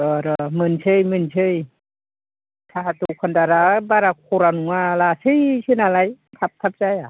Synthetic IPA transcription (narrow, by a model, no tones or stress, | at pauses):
ɯɾɯmɯnsʰɯjmɯnsʰɯj | tʰaɦat̪ukʰɔndaɾabaɾak̚ʰuɾanuŋalasʰɯjsʰɯnalajtʰap̚t̪ʰap̚zaja